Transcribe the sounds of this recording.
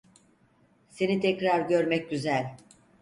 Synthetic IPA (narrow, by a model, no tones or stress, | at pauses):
se̞nit̪ʰɛcɾaɾɟøɾmɛc̚ɟyzælʲ